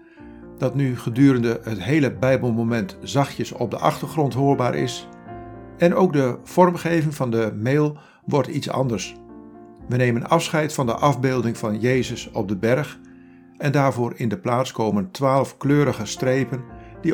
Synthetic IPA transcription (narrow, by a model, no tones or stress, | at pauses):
d̥ɑtnyχədyːɾəndəətɦejləbɛjbəlˠmomɛntz̥ɑχjəsɔ̰b̚də̰ʔɑχtəɹχrɔntɦoːɹba̰ːɹʔɪ̰s | ɛnowɡ̚dəv̥ɔrmχejvɪŋvɑndəmeːlˠ | ʋɔɹtitsɑ̰ndəɹs | ʋəneːmənɑfsχɛjtfɑndə̰ʔɑvbɪːlˠdɪŋvɑnjeːjzəsɔb̚dəbɛɹχ | ɛndaːɹvʊːɹɪndəplaːskoːməntʋaːlˠəfkløːɾəχəstrejpəndi